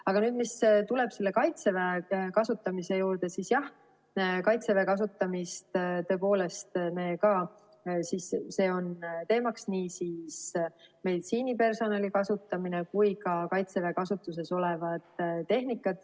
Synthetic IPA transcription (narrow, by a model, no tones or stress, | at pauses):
ɑɡ̥ɑnyːd̪mist̪ule̞b̥se̞lːe̞kɑjt̪sevekɑsut̪ːˑɑmise̞juːrd̪̥e̞siːsjɑh | kɑjt̪sevekɑs̬ut̪ːˑɑmist̪t̪ø̞po̞ːle̞st̪me̞ːkɑː | sisse̞ːo̞nt̪e̞ːmɑksniːsiːsme̞jd̪siːnipe̞rso̞nɑlikɑsut̪ːˑɑmine̞kujkɑkɑjt̪seve̞kɑsut̪ːˑus̬e̞so̞levɑd̪̥t̪ːe̞ɦnikːˑɑt̪